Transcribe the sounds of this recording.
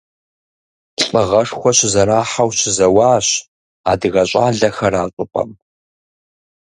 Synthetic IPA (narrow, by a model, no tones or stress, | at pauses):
ɬʼɐʁɐʂxʷɔɕzɐɾaːħawɕɪzɐwaːɕ | a̰ːdɨɣɐɕʼaːɮɐxɐraːt͡ʃʼʊpʼɐ̰m